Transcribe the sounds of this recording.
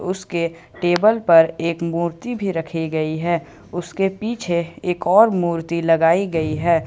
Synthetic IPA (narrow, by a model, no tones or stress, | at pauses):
ʊske | ʈeːbəlpɐɾeːkmuːɾt̪ibʱiɾɐkʰiɡɐiɦɛː | ʊskepiːt͡ʃʰeeːkɔːɾmuːɾt̪ilɐɡaːiɡɐiɦɛː